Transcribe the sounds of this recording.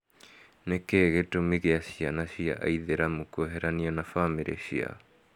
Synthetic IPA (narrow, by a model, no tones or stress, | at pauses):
nekeɣetomiɣeasianaɕia̰ʔaiðeɾamokooɦɛɾaniɔnafameɾḛɕia̰